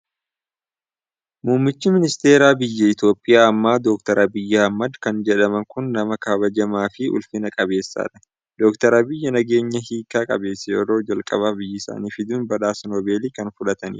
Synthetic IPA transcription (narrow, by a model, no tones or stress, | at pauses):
muːmːɪt͡ʃːɪmɪnɪst̪e̞ːɾaːbɪjːɐɪt̪jo̞ːpʼːɪjaːɐmːaːd̪ɔk̚t̪ɐɾʔɐbɪjːɐɐmːɐd̪kɐnd͡ʒɛᶑɐmɐŋkʊnːɐmɐkɐbɐd͡ʒɐmaːfɪʔʊ̰lfɪnɐkʼɐbe̞ːsːa̰ːᶑɐ | d̪ɔkt̪ɐɾɐbɪjːɐnɐɡe̞ːɲːɐɦiːkːaːkʼɐ̰be̞ːsːɛɔ̰ɾo̞ːd͡ʒɐlkʼɐ̰baːbɪjːɐɪsa̰ːniːfɪd̪uːnbɐᶑaːsɐnɔbe̞ːliːkɐnfʊlɐt̪ɐnḭː